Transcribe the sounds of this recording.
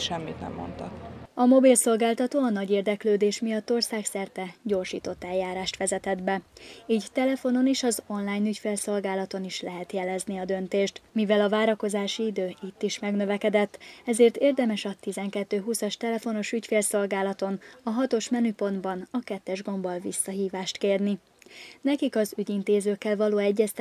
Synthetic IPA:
ʃɛmːit̪nɛ̰mːo̰nt̪ɒkɒmo̞bilso̞lɡaːlt̪ɒt̪oːɒnɒɟeːrd̪ɛkløːd̪eːʃmijɒt̪ːo̞rsaːksɛrt̪ɛɟo̞ːrʃḭːt̪o̞t̪ːɛjjːaːɾaːʃt̪ʋɛzɛt̪ɛd̪bɛiːɟt̪ɛlɛfo̞no̞niʃɒzo̞nlaːjnycfeːlso̞lɡaːlɒt̪o̞niʃlɛɦɛt̪jɛlɛzniɒd̪ø̞nt̪eːʃt̪mivɛlɒvaːɾɒko̞zaːʃiid̪øːit̪ːiʃmɛɡnø̞vɛkɛd̪ɛt̪ːɛzeːrt̪eːrd̪ɛmɛʃɒt̪izɛŋkɛt̪ːøːɦusɒʃt̪ɛlɛfo̞no̞ʃycfeːlso̞lɡaːlɒt̪o̞nɒɦɒt̪o̞ʃmɛnypo̞nd̪bɒnɒkɛt̪ːɛʒɡo̞mbolvḭsːɒɦiːvaːʃt̪keːrni | nɛkikɒzyɟint̪eːzøːkːɛlvɒloːɛɟːɛst̪

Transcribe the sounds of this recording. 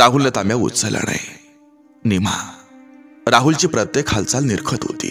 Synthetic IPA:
ɾaɦulnat̪amjaṵt͡səla̰ɽa̰je | nima̰ | ɾaɦult͡ɕiːpɾət̪jekʰhalt͡salniɾkʰət̪ɦo̰t̪ḭː

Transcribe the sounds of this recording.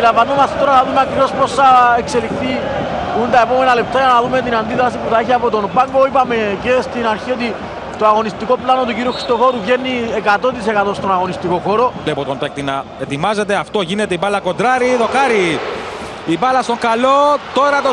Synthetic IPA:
ilɐɱvɐno̞mɐst̪et̪o̞ɾɐnɐðumeɐkɾivo̞sposθɐekse̞lixθi | unt̪ɐe̞po̞me̞nɐle̞p̚t̪ajɐnɐðume̞t̪̬inɐnd̪iðɾɐsipuθɐiçiɐpo̞t̪o̞nbaŋɡo̞ipɐme̞ce̞st̪inɐɾçiot̪̬i | t̪o̞ɐɣo̞nist̪iko̞plano̞t̪uciɾioxɾist̪o̞xo̞ɾuvʝenːiekat̪o̞t̪̬ise̞kɐt̪o̞st̪o̞nɐɣo̞nist̪iko̞xo̞ɾo̞lepot̪ont̪oek̚t̪inɐ | et̪imɐze̞t̪e̞ɐft̪o̞ʝinet̪eipɐlːɐkond̪ɾɐɾiðokɐɾi | ipɐlɐst̪oŋkɐlot̪o̞ɾɐt̪o

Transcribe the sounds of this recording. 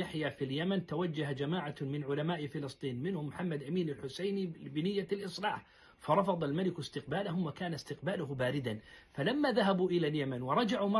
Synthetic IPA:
aħjafiljamant̪awad͡ʒːaɦad͡ʒamaːʕamɪnʕʊlamaːʔɪfɪlɨsˤt̪ˤiːnmɪnhʊmːħamːad̪ʔamiːnalħʊsajnibɪnɪjːalʔɨsˤlaːħ | fɑɾˤɑfɑðˤalmalɪkɪst̪ɪq̚baːlaɦʊmwakaːnast̪ɪqbaːlʊhbaːɾɪd̪anfalamːaðaɦabuʔɪlaljamanwɑɾˤɑd͡ʒaʕumɑ

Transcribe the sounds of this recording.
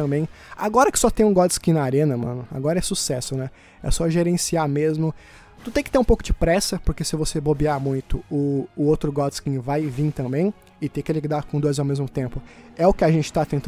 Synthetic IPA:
ɐ̃mbẽj̃a̰ɡɔɾɐkɪ̥sɔt̪ẽj̃ũɡɔd̪ɪskĩnɐaɾẽnɐmɐ̰̃nʊa̰ɡɔɾɐɛsusɛsʊnɛ | ɛ̰sɔʒeɾẽsiamezmʊ | t̪ut̪ẽj̃kɪt̪eɾũpowkʊd͡ʒɪpɾɛsɐpoɾkesɪvosebobiaɾmũj̃t̪ʊʊːowt̪ɾʊɡɔd̪ɪskĩvajvĩt̪ɐ̃mbẽj̃ | ɪt̪ekɪliɡd̪aɾkõd̪ojzawmezmʊt̪ẽmpʊɛʊkɪaʒẽnt͡ʃɪ̥t̪at̪ẽnt̪

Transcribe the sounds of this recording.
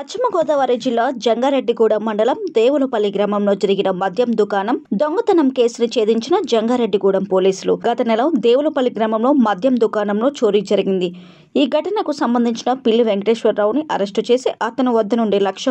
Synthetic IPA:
ɐt͡ʃʰːimɐɡɔːd̪ɐʋɐːɾid͡ʒilːaːd͡ʒɐŋɡaːɾe̞ɖːiɡuːɽɐmːɐɳɖɐlɐmd̪e̞ːwulɐpɐliɡɾɐmɐmlo̞ːd͡ʒɐɾiɡinɐmɐd̪ʱjɐmd̪ukaːnɐmd̪oŋɡɐt̪ɐnɐmke̞ːsunut͡ʃe̞ːd̪iɲt͡ʃinɐd͡ʒɐŋɡaːɾe̞ɖːiɡuːɽɐmpo̞ːliːsulṵɡɐt̪ɐnɛlɐd̪e̞ːwulupɐliɡɾɐmɐmlo̞ːmɐd̪ʱjɐmd̪ukaːnɐmlo̞ːt͡ʃo̞ːɾid͡ʒɐɾiɡind̪i | iːɡʱɐʈɐnɐkusɐmbɐnd̪ʱiɲt͡ʃinɐpilːiʋeŋɡʈeːʃʋɐɾːɐwniʔɐ̰ɾɐʂʈut͡ʃe̞ːsiʔɐt̪ɐnɐʋɐd̪ːɐnuɳɖelɐkʂɐ

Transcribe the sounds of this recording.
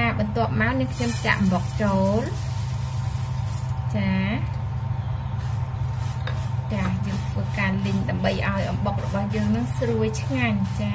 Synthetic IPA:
aːɓɑnt̪ŏəp̚maɔniəŋkʰɲomt͡ɕa̰ʔmrok̚t͡ɕoːl | t͡ɕaː | t͡ɕaːjəːŋt̪ʰʋəːkaːlɨɲɗaəmɓəjʔaɔjʔɑmɓok̚rɔɓɑhjəːŋnɨŋsruəjt͡ɕʰŋaɲt͡ɕaː

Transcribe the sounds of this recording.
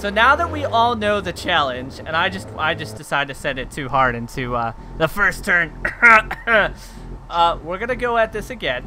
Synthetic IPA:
soʊnaʊðət̚wiʔɔlˠnoʊðɨt͡ʃʰælˠɨ̃nd͡ʒɨ̰̃naɪd͡ʒʌst̚a̰ɪd͡ʒʌsd̥ɨsaɪdɨdtʰɨsɛ̃ndɨtʰʉhɑɹɾɪ̃ntʰʉʌ | ðəfɜ˞stʰɜ̃˞n | ʔʌwɪɹɡʌnɨɡoʊɨt̪̚ðɪsɨɡɛ̃n

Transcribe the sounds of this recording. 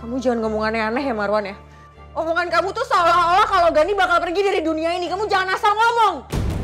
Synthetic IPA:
kamud͡ʒaŋanŋɔmɔŋanɛanaɦjamaɾuwanjah | ŋɔmɔŋankamut̪usaolaolahkaloɡanibakalpərɡidaɾiduniainikamud͡ʒaŋanasalŋɔmɔŋ

